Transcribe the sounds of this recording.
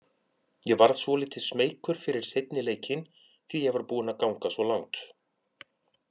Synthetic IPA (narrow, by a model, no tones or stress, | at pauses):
jɛɣvaɾð̥svɔlɪːt̪ʰɪ̥smeːjkʏɾ̥fɪɾɪɾ̥sejt̪̚nɪleːjcɪn | θvijɛɣvaɾpuːðɪnakawŋkasvɔlawŋt̪